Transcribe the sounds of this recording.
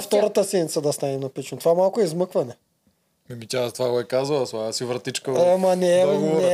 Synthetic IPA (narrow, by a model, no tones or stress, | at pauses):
ft̪ɔɾat̪asɛnit̪sad̪ast̪anɛnapit͡ʃnot̪vamalˠkuɛizməkvanɛ | mɛmicʲat̪vaɡoɛkazuat̪aasivɾt̪it͡ʃkamanɛnɛ